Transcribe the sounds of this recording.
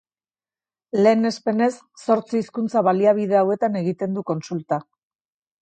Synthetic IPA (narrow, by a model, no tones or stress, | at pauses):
le̞ːne̞spe̞ne̞sːo̞ɾt͡siːskunt͡saβaliaβ̞ið̞e̞awe̞t̪ane̞ɣit̪e̞nd̪uko̞nsult̪a